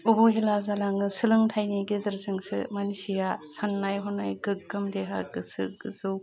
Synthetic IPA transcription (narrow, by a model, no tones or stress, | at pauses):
ubuɦelazalaŋɯsɯlɯŋtʰajniɡezɯɾzɯŋsɯ̰manisijasanːajɦɔnːajɡɯɡɯmdeɦa̰ɡɯsɯ̰ɡɯzɯw